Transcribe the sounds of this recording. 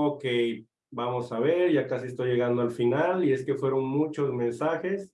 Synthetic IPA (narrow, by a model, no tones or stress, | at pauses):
oke | bamo̞saβe̞ɾʝakasiest̪ojʝe̞ɣand̪oalfinalie̞ske̞fwe̞ɾo̞ŋmut͡ʃo̞zmẽ̞nsaxe̞s